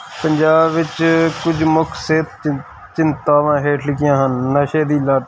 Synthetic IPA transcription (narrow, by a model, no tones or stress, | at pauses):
pəɲʲd͡ʒaːbʋɪt͡ʃkʊd͡ʒmʊkseːt̪ | t͡ʃɪnt̪aːʋãːɦeːʈʰlɪkɪjãːɦənːəʃeːd̪iːlaːt̪